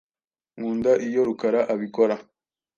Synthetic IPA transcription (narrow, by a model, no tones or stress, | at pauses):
ŋuːndaʔijo̞ɾukaɾaʔaβikoɾa